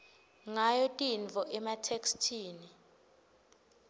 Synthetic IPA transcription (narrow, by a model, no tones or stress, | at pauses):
ŋajɔtʼinvʱɔʔɛmatʰekstʰiːni